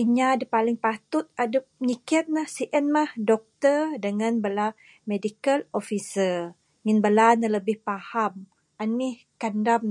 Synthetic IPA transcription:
iɲadapalɪŋpat̪ʊt̪̚adəp̚ɲikiat̪̚nahsiʔənmahdɔk̚t̪ədəŋanbəla | medikəlofisə | ŋinbəlanaləbɪhpaham | anmih | kandam

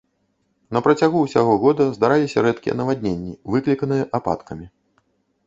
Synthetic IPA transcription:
nɐpɾɐt͡sʲaɣuwsʲaɣɔɣɔd̪ɐzd̪aɾalʲisʲɐɾɛt̪kʲijɛ̰nɐvad̪ʲnʲenʲːivɨklʲikɐnɨjɛʔapa̰t̪kɐmʲi

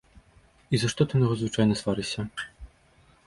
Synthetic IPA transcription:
izɐʂt̪ɔt̪ɨmɔɣɔzvɨt͡ʂajnɐsvaɾɨɕʲɐ

